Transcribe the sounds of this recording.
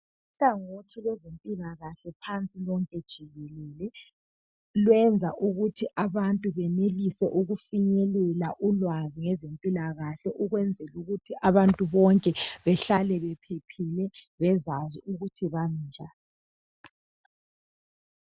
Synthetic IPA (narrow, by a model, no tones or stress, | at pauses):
uɬaŋotʰilwɛzempʼilaɣaɬɛpʰant͡sʼilɔŋkʼɛd̥ʒ̥ʱiɣɛlɛlɛ | lwɛnd͡zʱaʔuɣutʰiʔaβantʼuβɛnelisɛʔuɣufiɲɛlɛlaʔulwaziŋɛzempʼilaɣaɬɛʔuɣwɛnd͡zʱɛluɣutʰiʔaβantʼuβɔŋkʼɛβɛɬalɛβɛpʰepʰilɛβɛzaziuɣutʰiβan̩ːd͡ʒʱa